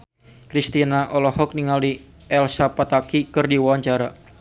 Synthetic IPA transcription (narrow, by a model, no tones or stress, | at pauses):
kɾist̪inaʔɔlɔhɔk̚niŋali | ɛlsapat̪akikɨrdiwawaɲt͡ʃaɾa